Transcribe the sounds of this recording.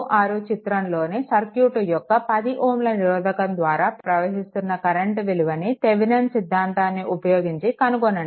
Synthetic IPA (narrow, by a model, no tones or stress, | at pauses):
ʔaːɾut͡ʃit̪ɾɐmlo̞ːnisɐɾkjuːʈujɔkːɐpɐd̪iʔoːmlɐniɾɔːd̪ɐkɐnd̪ʋaːɾaːpɾɐʋɐɦist̪unːɐkɐɾɐɳʈʋiluʋɐnit̪eʋinɐnsid̪ʱːaːnt̪aːnːiʔupɐjoːɡiɲt͡ʃikɐnuɡonːɐɳ